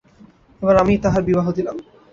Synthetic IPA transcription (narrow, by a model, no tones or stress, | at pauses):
eboɾamit̪aɦaɾbibaɦod̪ilam